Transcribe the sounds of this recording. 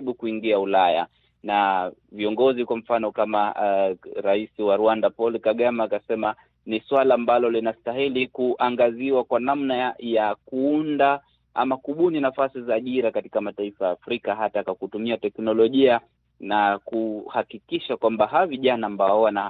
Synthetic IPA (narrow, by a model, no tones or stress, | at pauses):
ɓukuiŋɡiaulaja̰ | naviɔŋɡɔzikwam̩fanɔkama | ɾaisiwaɾuandapɔlkaɠamaːkasɛma | niswalaːmbalɔlinastaɦilikuʔaŋɡaziwakwanamnajakuunda | ʔa̰makuɓuninafasizaːʄiɾakatikamataifajaːfɾikaɦatakakutumiatɛknɔlɔʄia | nakuhakikiʃakwambaɦaviʄanaːmbaɔwana